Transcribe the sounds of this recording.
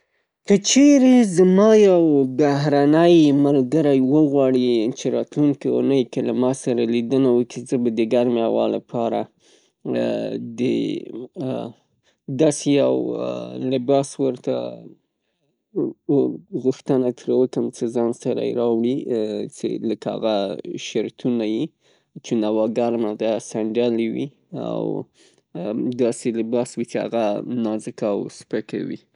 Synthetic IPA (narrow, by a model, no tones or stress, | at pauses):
kət͡ʃeɾezmɑjawbaɦɾanəjmalɡaɾajwəɣwɑɽit͡ʃeɾɑt̪luŋkiṵnəjkelamɑsaɾalid̪ənawəkizəbad̪əɡaɾmawɑ̰la̰pʰɑɾa̰ | d̪ə̰ | d̪ɑseja̰wlɪbɑswəɾt̪a̰ | ɣuxt̪ənat̪ʰɾawəkəmt͡səzɑnsaɾa̰j̰ɾɑwɽit͡sḛləkaa̰ɣaʃaɾt̪ʰunaji | t͡ʃenawɑɡaɾnad̪asaɳɖalwi | a̰w | d̪ɑselɪbɑswit͡ʃea̰ɣanɑzɪkaːwspəka̰wḭ